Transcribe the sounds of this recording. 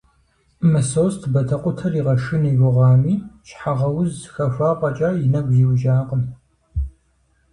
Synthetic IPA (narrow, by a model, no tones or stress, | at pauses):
mɨsoːstʰbɐtʰɐqʷʼʊtʰɐriːʁɐʃɨniɡʷʊʁɑːmiːʃħaʁɐwʊzxɐfʷaːqʼɐt͡ʃʼaːjɪnɐɡʷziwʒaːqʼəm